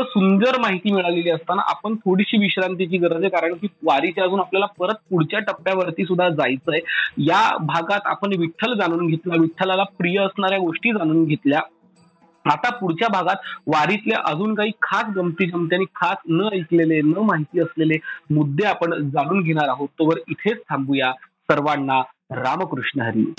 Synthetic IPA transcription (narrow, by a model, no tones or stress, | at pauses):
əsund̪əɾmaɦit̪iːmiɭaleliːəst̪ana̰ʔa̰pəɳt̪ʰoɽiɕiːʋiɕɾant̪it͡ɕiːɡəɾəd͡zekaɾəɳkiːʋaɾit͡ɕeəd͡zuːnapljalapəɾət̪̚puɽt͡ɕjaʈəpːjaʋəɾt̪iːs̬ud̪ʱːad͡zajt͡səjjabʱaɡat̪a̰pəɳʋiʈʰːəld͡zaɽ̃uːnɡʱet̪laʋiʈʰːəlalapɾijəəsɳaɾjaɡoʂʈiːd͡zaɽ̃uːnɡʱet̪lja | at̪apuɽ̤t͡ɕjabʱaɡat̪ʋaɾit̪leʔəd͡zuːnkaɦiːkʰasɡəmt̪iːd͡ʑəmt̪̬jañiːkʰasnəəjk̪lelenəmaɦit̪iːəslelemud̪ʱːeapəɳd͡zaɽ̃uːnɡʱeɽ̃aɾaɦot̪ːəʋəɾit̪ʰet͡st̪ʰambujasəɾʋaɳːaɾaməkɾuʂɳəɦəɾḭː